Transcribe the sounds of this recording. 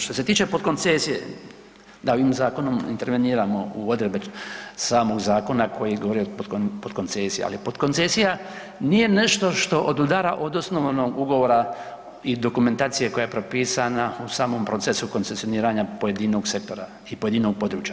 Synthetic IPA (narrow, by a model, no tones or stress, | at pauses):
ʃt̪o̞set̪iːt͡ʃe̞po̞d̪̚ko̞nt̪sesijḛ | d̪aoʋiːmzaːko̞nomḭnt̪e̞ɾʋeniːɾamo̞uod̪ɾebesaːmo̞ɡzaːko̞nakʰo̞jiɡoʋo̞ɾioppod̪̥ko̞nt̪seːsijḛa̰lipo̞d̪ko̞nsesija | niːje̞neʃt̪o̞ʃt̪o̞ʔod̪ud̪aːɾaʔo̞d̪osnoʋnoːɡuɡoʋoːɾa | id̪o̞kume̞nt̪aːt̪sije̞ko̞jajepɾopiːsanausaːmo̞ːmpɾo̞t̪sesuko̞nt̪se̞sijo̞niːɾaɲapo̞je̞d̪inoɡse̞k̚t̪o̞ɾa | ipoje̞d̪inoɡ̚po̞d̪ɾuːt͡ʃja